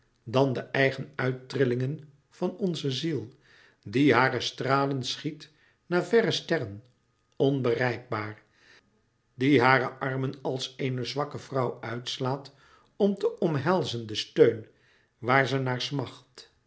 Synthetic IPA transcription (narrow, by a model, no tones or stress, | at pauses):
dɑndəʔɛjχənœɥtrɪlɪŋən | v̥ɑnɔnzəzilˠ | diɦaːrəstraːlənsχit | naːvɛrəstɛrən | ɔnbərɛjɡ̚baːɹ | diɦaːɾəʔɑɹmənɑlˠsejnəzʋɑkəvrɑwœɥtslaːt | ɔmtəʔɔmɦɛlˠzəndəstøɥn | ʋaːɹzənaːɹsmɑχt